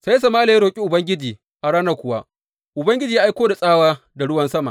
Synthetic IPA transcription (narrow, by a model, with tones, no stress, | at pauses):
sa˦sa˨maː˦la˨˦ɾoː˨kʲʼi˦ʔʊ˨bɐ˦ŋɡʲɪ˦d͡ʒiː˨ | ʔa˨ɽaː˦nɐ˨kʷʊ˨wa˦ | ʔʊ˨bɐ˦ŋɡʲɪ˦d͡ʒiː˨ja˦ʔjkʷoː˦da˨sʼaː˦waː˦ | da˨ɽʊ˦wɐ˨nsɐ˦ma̰˨